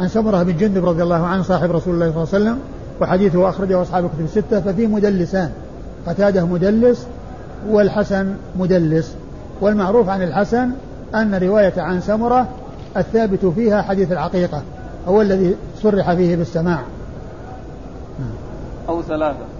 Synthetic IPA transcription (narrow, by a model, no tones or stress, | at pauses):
ʕansamʊɾˤɑhɪbɪnd͡ʒʊnd̪ɪbɾˤɑd̪ˤjɑlˤːɑːhʊʕanhsˤɑːħɪbɾˤɑsuːlɪlːaːsˤɑlːsalːam | wɪħad̪iːθʊhʔaxɾˤɑd͡ʒahʊʔɑsˤħɑːbɪlkʊt̪ʊbsːɪt̪ːafafiːmʊd̪alːɪsaːn | qɑt̪aːd̪amʊd̪alːɪs | wɪlħasanmʊd̪alːɪs | wɪlmaʕɾuːfʕanɪlħasan | ʔanːaɾɪwaːjaʕansamʊɾˤɑ | ʔaθːaːbɪt̪fiːhaħad̪iːθalʕaqiːqɑ | hʊwalːaði | sˤʊrːɪħafiːhɪbɪsːamaːʕ | naʕam | ʔawθalaːθa